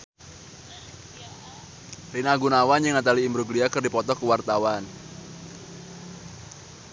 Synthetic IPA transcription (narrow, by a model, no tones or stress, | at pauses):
rinaɡunawand͡ʒɨŋat̪aliːmbɾuɡliakərdipɔt̪ɔkəwart̪awan